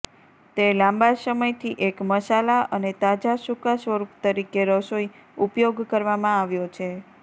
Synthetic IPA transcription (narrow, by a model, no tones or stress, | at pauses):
t̪elãmbasəməjt̪ʰiʔekməsalaʔənet̪ad͡ʒasukasʋəɾupt̪əɾikeɾəsoi | upjoɡkəɾʋamãaʋjot͡ʃʰe